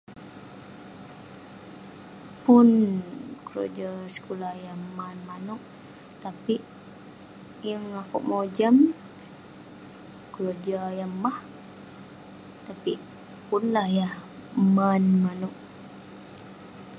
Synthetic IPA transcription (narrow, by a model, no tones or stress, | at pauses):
pʊnkəɾo̰d͡ʒasə̥kulahjahmanmanuʔ | t̪apiʔ | jəŋakṵʔmod͡ʒam | kəɾod͡ʒajamah | t̪apiʔ | punlahjahmanmanuʔ̚